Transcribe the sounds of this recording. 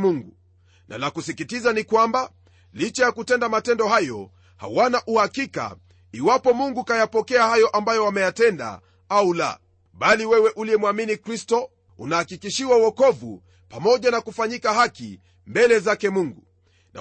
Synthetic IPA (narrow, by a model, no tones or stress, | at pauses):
muŋɡu | nʔa̰lakusikitizanikwamba | lit͡ʃajakutɛndamatɛndɔhajɔ | ha̰wanaʔuhakika̰ | iwapɔmuŋɡukajapɔkɛahajɔʔambajɔwamɛjatɛnda̰ | aula̰ | ɓaliwɛwɛʔuliɛmwaminikɾistɔ | ṵnahːkikiʃiwawɔkɔvṵ | pamɔʄanakufaɲikahakḭ | mbɛlɛzakɛmuŋɡu | na̰